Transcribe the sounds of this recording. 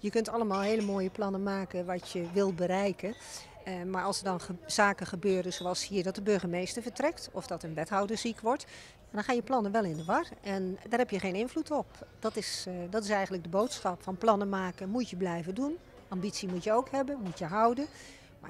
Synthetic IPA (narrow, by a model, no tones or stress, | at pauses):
jəkɵntɑlˠəmaːlˠɦeːləmoːjəplɑnəmaːkənʋɔtjəʋɪlˠbəɾɛjkən | maɹʔɑlˠsərdɔnəz̥aːkəχəbøːɾəz̥oɑlˠshiːədɔt̚dəbøɹɣəmejstəɹvəɹtrɛktɔfdɔtənʋɛtɦɔwdəzikʋɔɹt | jadɔnχaːnjəplɑnənʋɛlˠɪndəʋɑrɛndaːrɦɛpjəχeːnɪnvlutɔpd̥ɔtɪsdɔtɪsɛjxəntlək̚dəbowtsxɑpfɑnplɑnəmaːkəmutjəblɛjvədun | ambitsimutjəowkhɛbənmutjəɦʌwdən | ma̰